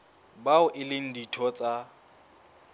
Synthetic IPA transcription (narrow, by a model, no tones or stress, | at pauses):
baʊʔɪlɪn̩ditʰɔt͡sʼa